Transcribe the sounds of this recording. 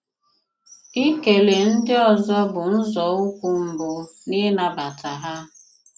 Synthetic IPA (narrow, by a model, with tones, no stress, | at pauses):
i˦ke˨le˨n̩˦dɪ˦ɔ˨zɔ˦bʊ˨n̩˦zɔ˨u˦kʷu˦m̩˨bʊ˨nɪ˦na˨ba˨tʰa˨ɦa˦